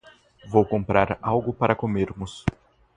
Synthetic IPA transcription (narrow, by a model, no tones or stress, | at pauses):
vowkõpɾaɾawɡʊpaɾɐkomeɾmʊs